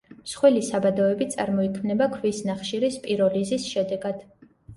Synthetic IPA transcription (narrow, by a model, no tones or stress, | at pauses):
msχwɛlisabad̪ɔɛbit̪sʼa̰ɾmɔikʰmnɛbakʰvisnaχʃiɾispʼiɾɔlizisʃɛd̪ɛɡad̪̥